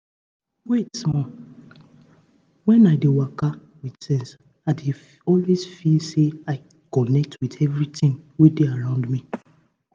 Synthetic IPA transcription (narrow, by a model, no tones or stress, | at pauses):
wetsmɔ | wɛ̃naɪdewaka | widsɛ̃ns | ade | ɔlwesfilseaɪ | kɔnɛk̚tʰwitɛvɹitĩŋwedeaɹãʊ̃ndmi